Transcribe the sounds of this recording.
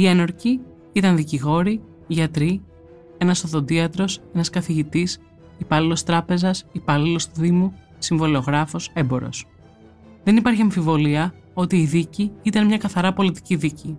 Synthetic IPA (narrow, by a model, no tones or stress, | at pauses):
ieno̞ɾci | it̪ɐnðiciɣo̞ɾi | ʝɐt̪ɾi | e̞nɐsoðo̞nd̪iɐt̪ɾo̞se̞nɐskɐθiʝit̪is | ipɐlilo̞st̪ɾɐpe̞zɐsipɐlilo̞sðimu | siɱvo̞leo̞ɣɾɐfo̞se̞mbo̞̰ɾo̞̰s | ðe̞nipɐɾçiɐɱfivo̞liɐ | o̞t̪iːðiciit̪ɐnmɲɐkɐθɐɾɐpo̞lit̪i̥ciðici